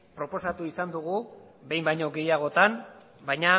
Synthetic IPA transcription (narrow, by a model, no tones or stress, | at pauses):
pɾo̞po̞sat̪uisand̪uɣu | be̞jmbajɲo̞ɡe̞jaɣ̞o̞t̪an | bajɲa